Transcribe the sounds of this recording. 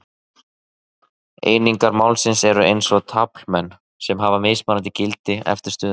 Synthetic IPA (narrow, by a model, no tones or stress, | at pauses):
ḛːjniŋkaɾmawlsɪnsɛɾʏʔejnsɔɣt̪ʰapl̥mɛnː | sɛmɦavamɪsmanant̪ɪcɪlt̪ɪɛ̰ft̪ɪɾ̥st̪ʏːð